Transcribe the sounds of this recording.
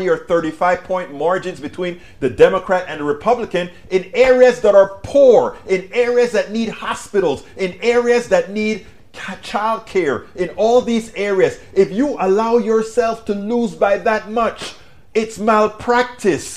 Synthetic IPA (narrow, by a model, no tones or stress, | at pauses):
iə˞θɜ˞ɾifaɪv̥pʰɔ̃ɪ̃nmɑɹd͡ʒɨ̃nzbɨtʰw̥ĩn | ðɨdɛməkʰɹ̥æɾɨ̃nɹɨpʰʌblɨkɨ̃n | ɨ̃nɛɹiɨzðəɾə˞pʰuɹɪ̃nɛɹiɨzðɨtⁿnid̚hɑspɪɾl̩ˠzɨ̃nɛɹiɨzðɨtⁿnid̚ʰ | t͡ʃʰaɪlˠd̚kʰɛɹɨ̃nɔlˠðizɛɹiɨz | ɪfjəʔəlaʊjə˞sɛlˠftʰɨluzbaɪðɨt̚mʌt͡ʃ | ɪtsmalˠpʰɹ̥æk̚tʰɨs